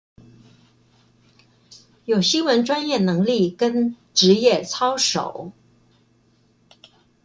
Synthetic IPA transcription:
jo˨˩ʊɕi˥nwə˧˥nʈ͡ʂwa˥njɛ˥˩nɤ˧˥ŋli˥˩kə˥n | ʈ͡ʂɻ̩˧˥jɛ˥˩t͡sʰɑ˥ʊʂo̰˨˩˦ʊ

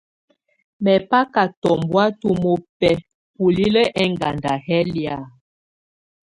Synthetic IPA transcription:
mɛ˨pa˦ka˨tɔ˨mbwa˦tu˦mo˨pɛ˦ | pu˨li˦lə˦ʔɛ˦ŋɡa˨nda˨hɛ˦lja˨

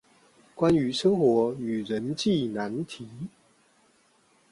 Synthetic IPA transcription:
kwa˦ny˧˥ʂɤ˥ŋxwɔ˧˥y˨˩ɻə˧˨˥nt͡ɕi˥˩na˧˥nt̪ʰi˨˥˦

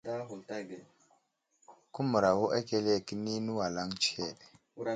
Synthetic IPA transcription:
da˦ɦu˨lta˦ɡe˨ | ku˦mu˨ɾa˨wo˦ʔa˦ke˦le˦˨ki˦ni˦nu˦wa˨la˦ŋt͡ʃe˦˨ɗ

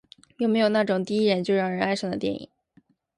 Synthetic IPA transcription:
jo˥˩me˧˥ɪjo˨˩ʊna˥˩ʈ͡ʂʊ˨˩ŋt̪i˥˧i˥ɻə˧˥nt͡ɕjo˥˧ʊɻɑ˥˩ɻə˧˥na˥ɪʂɑ˥ŋd̪ə˨˩t̪jɛ̰˥˩nḭ˨˩˦ŋ

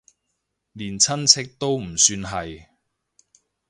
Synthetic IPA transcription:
liː˨˩nt͡sʰɐ˥nt͡sʰɪ˥k̚t̪o˥wm̩˨˩syː˧nɦɐ˨j

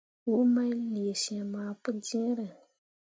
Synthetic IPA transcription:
wu˦ma˦li˨e˨ʃĩ˨ɛ˨maː˨pʊ˦dĩ˦ɾɨ˨

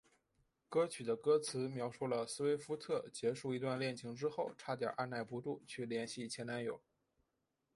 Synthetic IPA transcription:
kɤ˥t͡ɕʰy˨˩d̪ə˦kɤ˥t͡sʰɹ̩˧˥mjɑ˧˥ʊʂu˥˩lə˩sɹ̩˥we˥ɪfu˥t̪ʰɤ˥˩t͡ɕjɛ˧˥ʂu˥˩i˧˥t̪wa˥˧nljɛ˥˩nt͡ɕʰi˧˥ŋʈ͡ʂɻ̩˥xo˥˩ʊʈ͡ʂʰa˥t̪jɑ̰˨˩˥ʔa˥˧na˥˩ɪpu˧˥ʈ͡ʂu˥˩t͡ɕʰy˥˩ljɛ˧˥nɕi˥˩t͡ɕʰjɛ˧˥na˧˥njo˨˩˦ʊ

